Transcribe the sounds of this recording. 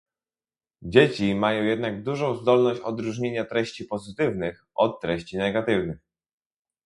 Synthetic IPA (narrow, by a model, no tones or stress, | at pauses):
d͡ʑet͡ɕimajɔ̃w̃jɛd̪naɡ̚d̪uʐɔ̃w̃zd̪ɔlnɔɕt͡ɕɔd̪ɾuʐɲeɲat̪ɾɛɕt͡ɕipɔzɘt̪ɘvnɘxʔɔt̪ːɾɛɕt͡ɕinɛɡat̪ɘvnɘx